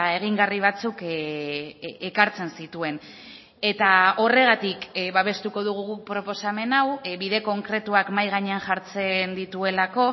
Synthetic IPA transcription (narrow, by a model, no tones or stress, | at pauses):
e̞ɣ̞iŋɡariβ̞at͡suk | ekaɾt͡se̞nsit̪ue̞n | e̞t̪ao̞re̞ɣ̞at̪ikβaβ̞e̞st̪uko̞ðuɣ̞uɣupɾo̞po̞same̞nawβiðe̞ko̞ŋkɾe̞t̪uakmajɣaɲeanʝaɾt͡se̞nd̪it̪ue̞lako̞